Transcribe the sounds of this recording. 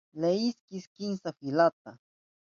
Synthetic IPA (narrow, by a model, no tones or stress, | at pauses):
leiskiskinsafilat̪̚a